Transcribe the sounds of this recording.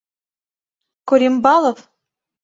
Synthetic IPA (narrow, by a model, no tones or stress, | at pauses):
koɾʲimbɑlˠof